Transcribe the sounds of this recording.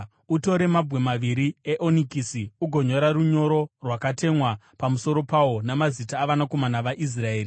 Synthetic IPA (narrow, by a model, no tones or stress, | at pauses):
uto̞ɾe̞mabwe̞maʋiɾieʔonikisiuɡʱo̞ɲo̞ɾaruɲo̞ɾo̞rwakate̞mwa | pamuso̞ɾo̞pawo̞namazitaːʋanako̞manaʋaʔis̬raeːri